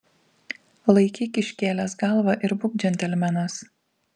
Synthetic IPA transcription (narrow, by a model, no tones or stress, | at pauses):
lˠɐɪkʲiːkʲɪʃʲkʲeːlʲɛːs̬ɡɑˑlˠʋɐʔɪɾbʊɡʲd͡ʒʲɛnʲt̪ʲɛlʲmʲænɐs